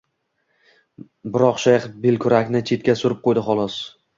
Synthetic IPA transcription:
bɪɾɒqʃaχbelkʲʰʊɾakʲnɪt͡ʃʰe̞t̪̚kʲasʊɾɪp̚qʰojd̪ɪχɒlˠɒs

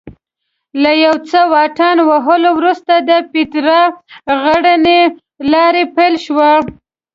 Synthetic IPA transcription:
lajawt͡səwɑʈɑnwaɦəlowɾust̪ad̪əpɪt̪ɾɑɣəɽəne | lɑɾepajlʃwa

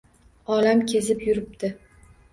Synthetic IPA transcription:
ɒlamkʲʰezɪpjʊɾɪp̚d̪ɪ

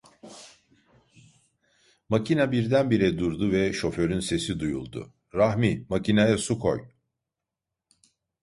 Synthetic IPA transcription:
macʰinabiɾd̪ænbiɾɛd̪uɾd̪uvɛʃo̞fø̞ɾynse̞sid̪ujṵlˠd̪ʊ̰ | ɾahmimacʰinajasukʰo̞̰j

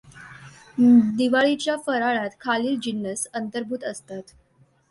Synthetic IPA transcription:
d̪iʋaɭit͡ɕjafəɾaɭat̪kʰaliːld͡ʑinːəsənt̪əɾbʱuːt̪əst̪at̪

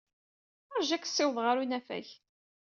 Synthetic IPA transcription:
əɾʒæksːɪwðˤʁaɾunæfæ̰ç

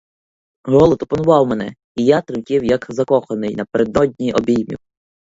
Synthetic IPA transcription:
ɦɔlˠɔt̪ɔpɔnʊʋɑwmen̪ɛ | ijat̪ɾɪkʲɪwjɐkzɐkɔxɐnɪjnɐpeɾed̪nɔd̪ʲnʲiʔɔbʲijmʲḭw

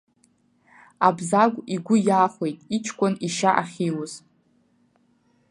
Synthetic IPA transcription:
abzaɡʷʼiɡʷʊjaːχʷe̞jtʼit͡ʃʰkʷʼʊniʃaʔaχʲiwʊz̥

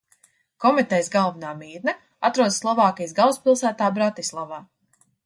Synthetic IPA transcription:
kɔmit̪ɛjsɡalˠvnaːmiːɾnɛ | at̪ɾuɔd̪slˠɔvɑːkʲijsɡawspilˠsæːt̪aːbɾat̪islˠavaː

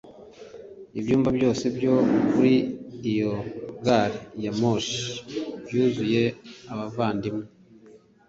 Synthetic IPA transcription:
ibjuːmvabjo̞ːse̞bjo̞βuɾidijoɡaɾijamoʃi̥bjuːzuje̞aβavaːndimu

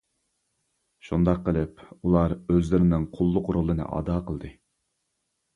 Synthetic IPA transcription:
ʃund̪ɑqʰːəlˠɨpulˠɑɾøzlɪɾɪnɪŋqʰʊlˠːʊqɾolˠːɨnɨ̰ʔɑ̰ːd̪ɑːqəlˠd̪ɨ

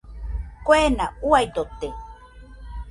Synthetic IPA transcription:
kwenauajd̪ot̪e

